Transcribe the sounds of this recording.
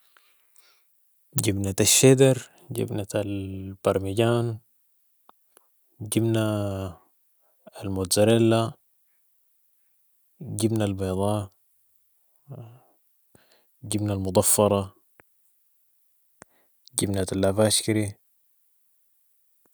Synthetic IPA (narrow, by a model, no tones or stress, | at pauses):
ɟibnat̪aʃːed̪ɑɾ | ɟḭbnat̪albɑɾˤmiɟaːn | ɟibna | lmot̪zaɾalːa | ɟibnalbɑjd̪ˤɑː | ɟibnalmʊd̪ˤɑfːɑɾˤɑ | ɟibnat̪alʔafaʃkiɾi